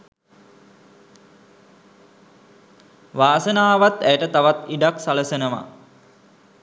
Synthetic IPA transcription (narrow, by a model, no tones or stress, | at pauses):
ʋaːsənaːʋat̪æjəʈət̪aʋat̪iɖaksaləsenəma̰